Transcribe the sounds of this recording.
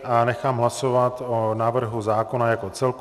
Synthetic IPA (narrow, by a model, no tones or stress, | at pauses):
anɛxaːmɦlasovat̪onaːvr̩ɦuzaːko̞najako̞t͡sɛlk